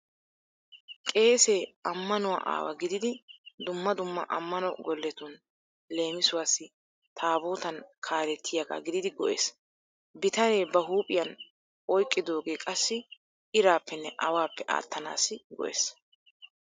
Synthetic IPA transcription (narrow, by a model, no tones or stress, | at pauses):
kʼe̞ːseːɐmːɐnʊwa̰ːʔa̰ːwɐ̰ɡɪd̪ɪd̪ɪd̪ʊmːɐd̪ʊmːɐ̰ʔɐmːɐnɔɡɔlːɛt̪ʊn | le̞ːmɪsʊwaːsːɪ | t̪ʰaːboːt̪ɐnkʰaːɾɛt̪ʰːɪjaɡa̰ɡɪd̪ɪd̪ɪɡɔʔḛːs | bɪt̪ɐneːbɐɦuːpʼɪjɐn | ɔjkʼːɪd̪o̞ːɡeːkʼɐsːɪ | ʔɪɾaːpːɛnːɛʔɐwaːpːɛʔa̰ːt̪ːɐna̰ːsːɪɡɔ̰ʔḛːs